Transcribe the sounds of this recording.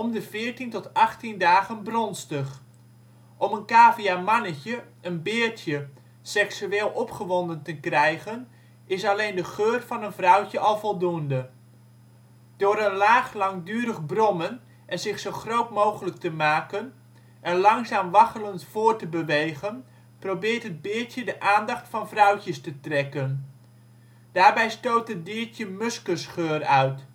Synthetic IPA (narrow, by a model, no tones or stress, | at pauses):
ʔɔmdəvɪːɹtintɔtɑχtindaːχənbrɔnstəχ | ʔɔmənkaːviamɑnəcəʔənbɪːɹtjə | sɛksyeːlˠɔpχəʋɔndəntəkrɛjχən | ɪsɑlejndəχøːrvɑnənvrʌwcəʔɑlˠvɔlˠduəndə | d̥ʊːɾənlaːχlɑŋdyːɾəχbrɔmən | ʔɛnzɪχsowχrowtmowχələk̚təmaːkən | ʔɛnlɑŋzaːmʋɑχələntfʊːɹtəbəʋejχən | prowbɪːɹtɦəd̚bɪːɹtjədəʔaːndɑχtfɑnvrœwcəstətrɛkən | d̥aːɹbɛjstowtɦət̚bɪːɹtjəmɵskəsχøːrœɥt